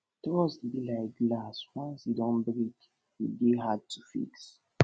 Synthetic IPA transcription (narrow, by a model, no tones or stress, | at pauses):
tɔsdilaɪk̚ɡlaswãnsidɔ̃nbɾit | ideɦad̚tʰufḭks